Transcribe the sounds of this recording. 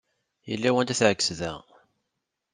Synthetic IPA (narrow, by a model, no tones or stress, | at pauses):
jə̰lːæwænd̪æθʕəkːsðæ̰